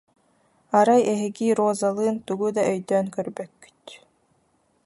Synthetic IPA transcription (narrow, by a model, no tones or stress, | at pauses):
aɾajɛɦiɡiɾoːzalˠɯːnt̪uɡud̪aʔœjd̪œːnkœɾbœkːy̥t̪